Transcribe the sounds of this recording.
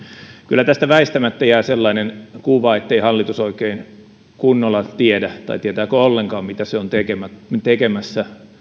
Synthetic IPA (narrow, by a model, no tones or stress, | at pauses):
kylːæt̪æst̪æʋæist̪æmæt̪ːæjæːselːɑinenkuʋɑet̪ːeihɑlːit̪usoikein | kunːolːɑt̪iedæt̪ɑ̰it̪iet̪æːkøolːeŋkɑːmmit̪æseont̪ekemæt̪ekemæsːæ